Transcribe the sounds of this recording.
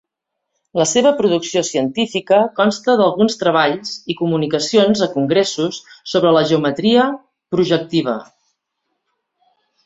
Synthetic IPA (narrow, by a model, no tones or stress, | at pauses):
ləseβəpɾuðuksiosiənt̪ifikəkɔnst̪əðəlˠɣunst̪ɾəβ̞aʎzikumunikəsionzəkuŋɡɾesusːoβ̞ɾələʒəumət̪ɾiə | pɾuʒək̚t̪iβ̞ə̰